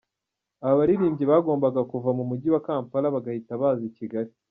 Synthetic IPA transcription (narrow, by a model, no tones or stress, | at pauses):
aβaβaɾiɾiːmɟiβaːɡo̞ːmbaɡakuvamumuɟiwakaːmpaɾaβaɡahitaβaːziciɡaɾi